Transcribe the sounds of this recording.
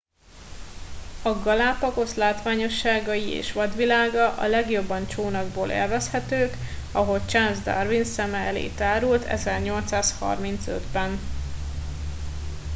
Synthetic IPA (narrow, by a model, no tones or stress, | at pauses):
ɒɡɒlaːpɒko̞slaːt̪ʋaːɲo̞ʃːaːɡɒjiḛːʃʋɒd̪ʋilaːɡɒʔɒ̰lɛɡjo̞bːɒnt͡ʃoːnɒɡboːlʔḛːlvɛshɛt̪øːkɒɦo̞lt͡ʃanzd̪ɒ̰rvinsɛmɛɛlḛːt̪aːɾult̪ʰɛ̰zɛrɲo̞lt̪saːshɒ̰rmint̪sø̰d̪bɛn